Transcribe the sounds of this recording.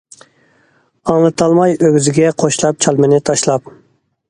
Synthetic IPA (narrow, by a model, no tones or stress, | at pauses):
ɑŋlˠɨt̪ʰɑlˠmɑjøɡʲyzɪɡʲɛqʰoʃlˠɑp̚t͡ʃʰɑlˠmɪnɪt̪ʰɑʃlˠɑp̚